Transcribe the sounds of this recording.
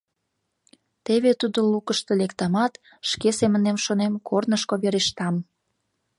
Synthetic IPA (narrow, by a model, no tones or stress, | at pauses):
t̪eβet̪ud̪olukəʃt̪elekt̪ɑmɑt̪ | ʃkesemənemʃonemkʰornəʃkoβeɾeʃt̪ɑm